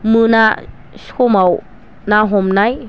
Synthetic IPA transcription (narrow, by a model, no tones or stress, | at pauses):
mɯna | sɔmaw | naɦɔmnaj